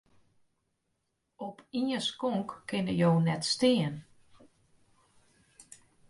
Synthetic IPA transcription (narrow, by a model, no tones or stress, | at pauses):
ɔpiəskɔŋkːɪnəjoːnɛtstɪən